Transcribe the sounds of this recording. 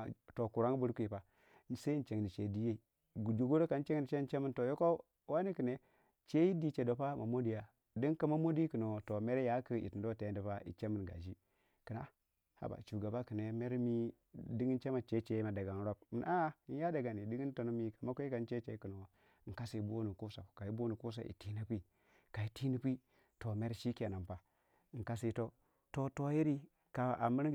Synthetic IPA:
to˨ku˨ɾa˦ŋ˦bu˦ɾku˦i˨pa˨ | se˦n˦t͡ʃe˨ŋ˨ni˨t͡ʃe˨di˦je˦i˨ | ɡd͡ʒu˨ɡu˦ɾo˦ka˨n˦t͡ʃe˦ŋ˦i˨t͡ʃe˦n˦t͡ʃe˦mi˦nto˨jo˦ko˦ | wa˦ni˦kɨ˨ne˦ | t͡ʃe˦ji˦di˦t͡ʃe˨do˨pa˦ma˨mo˦di˨ja˨ | di˦ŋka˦ma˦mo˦di˦kə˨no˨to˨me˦ɾe˦ja˨˦kə˦ḭ˨ti˨ndo˦˨te˨˦di˨pa˦ḭ˨t͡ʃe˦mi˨nɡa̰˨d͡ʒi˦ | ki˨na̰˦ | ha̰˦ba̰˨t͡ʃu˨ɡa˨ba˦kɨ˨ne˨me˦ɾmi˦ | di˦ɡi˦n˦t͡ʃe˦ma˨t͡ʃe˦t͡ʃe˦ma˨da˨ɡa˨n˦ɾo˦b̚mə˨na˦n˦ja˦da˨ɡa˨ni˨di˦ɡi˦to˨n˦mi˦ka˨ma˦kʷe˦ka˨n˦t͡ʃe˦t͡ʃe˦kə˨no˨ | ŋ˨ka˦si˨bo˦nu˨ku˦sa̰˨ka˨i˦bo˦nu˨ku˦s̬a̰˨˦ʔḭ˨ti˦na˦pi˦ | ka˨i˨ti˦ni˦pi˦ | to˨me˦ɾʃi˦ki˦a˨na˨m˨pa˨ | ka˦si˦to˦ | to˦to˦ji˦ɾi˦ | ka˨a̰˨mu˦ɾ

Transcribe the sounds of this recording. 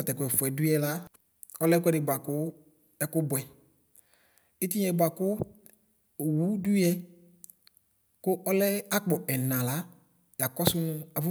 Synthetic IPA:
ɔ˨tɛ˨kʊ˨ɛ˨fɛ˨dʊ˦ɛ˨la˦ | ɔ˦lɛ˦kʷɛ˦dɪ˨ba˨kʊ˦ | ɛ˦kʊ˦bɛ˨ | ɪ˦ti˦ɛ˨ba˨kʊ˦˨ | wu˦du˦ɛ˦ | kʊ˦ʔɔ˦lɛ˦a˦k͡pɔ˨ɛ˨nã˨la˦ | ja˨kɔ˦sʊ˦nʊ˧a˨vʊ˦

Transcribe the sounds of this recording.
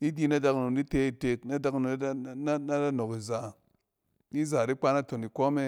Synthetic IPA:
i˦di˦na˦da˨kno˨di˦te˦i˨te˨kna˦da˦kno˨˦a˦na˦da˦no˨ki˨za˨ | i˦zaː˨di˦k͡pa˦na˦to˨ni˨kʷɔ˦me˧

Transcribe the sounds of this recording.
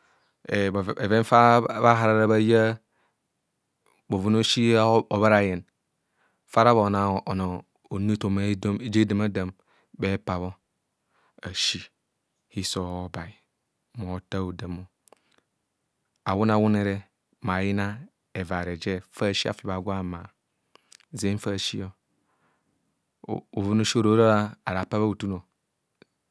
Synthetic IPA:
e˨e˨ve˦n˦fa˦ba˦ɦa˨ɾa˦ɾa˦βa˦ja˦ | bo˨vu˨no˦ʃi˦o˨βa˦ɾa˨je˨n | fa˦ɾa˦βo˨na˨o˨no˨ | o˨ni˦to˨me˦dd͡ʒe˦da˨ma˦da˨m | be˦pa˨βo˦ | a˨ʃi˦ | hi˦so˨o˦ba˨i˨ | mo˨˦ta˦o˨da˨mo˦ | a˨wu˦na˨wu˦ne˨ɾe˦ | m˨a˨ji˦na˦ | e˨va˨ɾe˨d͡ʒe˦fa˦˨ʃi˦a̰˨fi˨βa˨ɡʷa˦˨ma˨ | ze˦fa˦˨ʃi˦o˦˨ | u˨vu˦nu˦ʃo˦˨ɾo˦ɾo˦a˦a˨ɾa˨pa˦βa˦u˨tu˦no˨

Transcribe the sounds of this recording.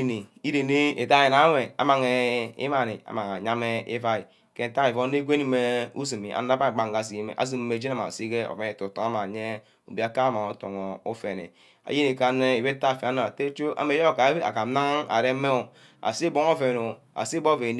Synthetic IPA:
ni˨i˦ɾe˨ne˦e˨ta˦je˨na˦we˨a̰˨ma˨ŋe˨ḭ˦ma˨ni˨a̰˨˦ma˨ŋa˨ɲa˦me˦ḭ˦va˦i˨ | ke˦n̩˦ta˦ki˨vo˦ne˦ɡʷe˦ni˦me˦u˦s̬i˨mi˨ʔa̰˨n˦a˦ba˦˨ɡ͡ba˨ŋ˨ɡa˨s̬i˨i˨˦mḛ˨ʔa̰˦s̬i˦˨m˨me˨d͡ʒe˦a˦˨ma˨si˦ɡe˦o̰˨fe˦ne˨to˨to˨ŋa˦ma˨ɲe˦ | o˨bi˨a˨ka˦ma˨o˨˦to̰˨ŋo˨o˦fe˨nḛ˨ | a̰˨je˦ni˨ka˨ne˦i˨be˦ta˦˨fe˨a˦na˨te˦t͡ʃo˦ʔa̰˦me˨˦jo˦˨ka˨˦a̰˨ka˨˦na˦ŋ˦a̰˨ɾe˦me˦o˨ | a̰˨si˦bo˦ŋo˦fe˨no˨ | a̰˨si˦bo˦˨ve˨n

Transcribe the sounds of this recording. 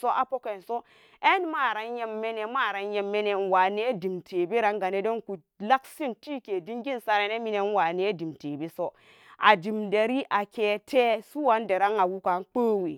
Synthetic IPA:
so˦ʔa˨po˦ke˨nso˦ | e˦nma˦˨ɾa˨nje˦mːe˦ne˨ma˦˨ɾa˨nje˨mːe˦ne˨n˨wa˨ne˦di˨mtʰe˨be˦ɾa˨˦ŋɡa˨ne˦do˦nku˨ | la˦ksi˦nti˦ke˨di˦ŋɡi˦nsa˦ɾe˨ne˦mi˦ne˦n˦wa˨ne˦di˨mte˨be˦so˦ | a̰˨di˨mde˨ɾi˦ʔa˨ke˦tʰe˦su˦wa˦nde˨ɾa˦ŋa˨wu˦ka˨˦nk͡po˦we˨

